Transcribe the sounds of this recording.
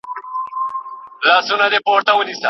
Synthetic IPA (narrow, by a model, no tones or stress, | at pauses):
laːsunad̪epoːɾt̪awunisa